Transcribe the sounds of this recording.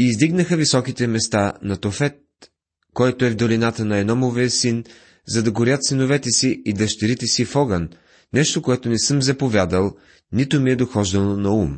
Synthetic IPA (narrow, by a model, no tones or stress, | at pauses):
izd̪iɡnəxəvisɔkit̪ɛmɛst̪anɐt̪ofɛt̪̚ | kɔjt̪oɛvd̪ɐlinat̪ənɐɛnɔmoviəsin | zɐd̪ɐɡoɾjət̪sinovɛt̪ɛsiid̪ɐʃt̪ɛɾit̪ɛsifɔɡɐn | nɛʃt̪okoɛt̪onɛsɤmzɐpovʲjad̪əlˠ | nit̪omiɛd̪oxɔʒd̪ɐnonɐum